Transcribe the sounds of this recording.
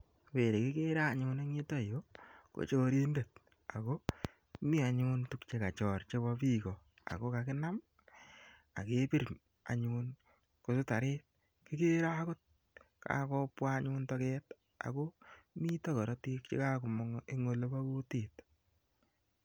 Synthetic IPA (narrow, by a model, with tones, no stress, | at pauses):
pe˨ɾe˨kɪ˦ke˦ɾa˦˨ɲʊ˨˦ne˦ŋi˦tɔ˦˨jo˦ko̰˨t͡ʃoː˦ɾi˦nde˨t̚ | a˨ko˦ | mi˦a˨ɲʊ˦ntu˨kt͡ʃe˨ka˨t͡ʃɔ˨rt͡ʃe˦bɔ˦pi˦kɔ˨ | a̰˨ko˦ka˨kɪ˦na˦m | a̰˨ke˦pi˦ɾ | a̰˨ɲun | ko˨sʊ˦ta˨ɾɪ˦t̚ | kɪ˦ke˦ɾa˦kʊ˦t̚ | ka̰˨kɔ˦pwa˦ɲʊntɔ˦kɛt | a̰˨ko˦mi˦tɔ˦kɔ˨ɾɔ˦ti˦kt͡ʃḛ˦ka˦kʊ˨mŋe˦ŋo˨lo˦ba˦ku˦ti˨t